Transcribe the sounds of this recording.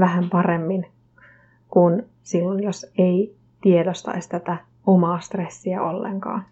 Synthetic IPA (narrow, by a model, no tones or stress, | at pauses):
ʋæhæmpɑremːin | kun | silːonjosei | t̪iedost̪ɑ̰ist̪æt̪æ | omɑːst̪resːiæolːḛŋkɑ̰ːn